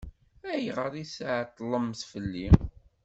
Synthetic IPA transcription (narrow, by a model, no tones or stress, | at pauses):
æjʁəɾˤisʕt̪ˤːlˤəmθfəlːi